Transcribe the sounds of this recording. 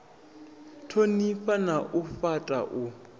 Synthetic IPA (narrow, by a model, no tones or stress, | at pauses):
tʰonifanaʔufatʼa̰ʔu